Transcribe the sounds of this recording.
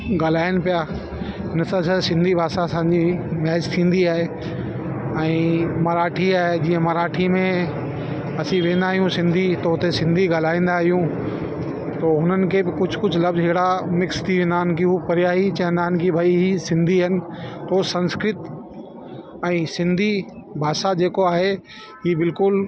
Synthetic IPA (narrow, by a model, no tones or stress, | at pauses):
ɡaːl̤aːɪnɪ̆pijaː | ɦɪnsãːsʰɐsɪ̃nd̪ʱibʱaːsasãːɲd͡ʑimɛɦɪd͡ʑt̪ʰĩːn̆d̪iaːɦe | ɛ̃ːmɐɾaːʈʰiaːed͡ʑiːə̃mɐɾaːʈʰimẽ | ɐsĩʋẽːnd̪aːɦijũsɪ̃nd̪ʱit̪ɐɦʊt̪esɪ̃nd̪ʱiɡaːl̤aːĩːn̆d̪aɦijũ | t̪oːɦʊnənɪ̆kʰebɪkʊd͡ʑʰʱkʊd͡ʑʰʱʊlɐbzɦɪɦɽamɪkst̪ʰiʋẽːnd̪aːɦnɪkiɦupɐɾɪjaːɦit͡ɕɐ̃ɦɪ̃nd̪aːɦnɪkʰibʱɐiɦisɪ̃nd̪ʱiɦnɪ̆t̪oːsɐ̃nskɾɪt̪ | ɛ̃ːsɪ̃nd̪ʱibʱaːʃad͡ʑeːkoaːɦe | ɦiːbɪlkʊl